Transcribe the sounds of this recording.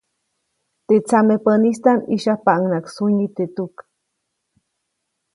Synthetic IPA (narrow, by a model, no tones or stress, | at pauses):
t̪eʔt͡samepənist̪aniʃahpaʔənaksunit̪et̪uk